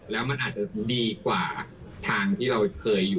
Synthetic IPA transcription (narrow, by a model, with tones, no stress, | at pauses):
lɛː˦˥wma˧nʔaː˨˩t̪̚t͡ɕa˨˩diː˧kwaː˨˩ | t̪ʰaː˧ŋt̪ʰiː˥˩ɾa˧wkʰɤː˧jːuː˨˩